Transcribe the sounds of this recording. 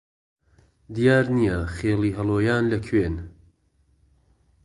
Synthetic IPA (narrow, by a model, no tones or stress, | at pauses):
d̪ijaːɾnijɐχeːliːɦɐlˠoːjaːnlɐkʰweːn